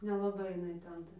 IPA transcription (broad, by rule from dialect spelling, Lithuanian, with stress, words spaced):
nʲɛlˠɐˈbɐɪ jɪˈnɐɪ ˈtʲɛn ˈtɐ